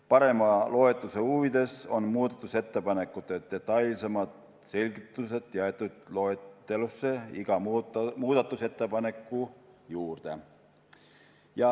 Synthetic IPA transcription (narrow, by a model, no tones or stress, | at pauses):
pɑɾe̞mɑlo̞e̞t̪ːˑuseuvid̪e̞so̞nmuːd̪ɑt̪ːˑuse̞t̪ːe̞pɑne̞kːˑut̪ːˑet̪e̞t̪ːˑɑjlsemɑd̪̥ | se̞lʲɡ̥it̪ːˑuse̞d̪̥jɑet̪ːˑud̪̥loet̪ːe̞lusːeiɡ̥ɑmmuːd̪̥ɑt̪ːˑuse̞t̪ːe̞pɑne̞kːˑujuːrd̪̥e̞ | jɑ